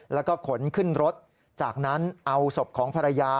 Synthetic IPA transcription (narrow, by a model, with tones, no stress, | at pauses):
lɛː˦˥wkɔː˥˩kʰo˩˦nkʰɯ˥˩nɾo˦˥t̪̚ | t͡ɕaː˨˩k̚na˦˥nʔa˧wso˨˩p̚kʰɔː˩˦ŋpʰa˧ɾa˧jaː˧